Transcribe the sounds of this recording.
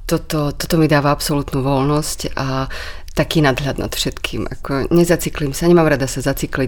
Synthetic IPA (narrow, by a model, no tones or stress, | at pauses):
t̪ɔt̪ɔt̪ɔt̪ɔmid̪aːʋaapsɔlut̪nuːʋɔlnɔscat̪akiːnad̪ɦʎad̪na̰t̪fʃɛt̪kʰḭːmʔa̰kʰɔɲɛzat͡siklimsaɲɛmaːmɾad̪asazat͡sikli